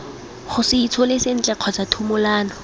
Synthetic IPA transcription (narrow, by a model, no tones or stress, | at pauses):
χʊsɪit͡sʰolesen̩t͡ɬʼɛq͡χʰɔt͡satʰumʊlaːnɔ